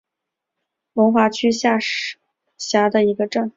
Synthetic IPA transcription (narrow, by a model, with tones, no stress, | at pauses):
wə˧˥nxwa˧˥t͡ɕʰy˥ɕja˥˩ʂ | ɕja˧˥d̪ə˧i˧˥ɡə˧ʈ͡ʂə˥˩ŋ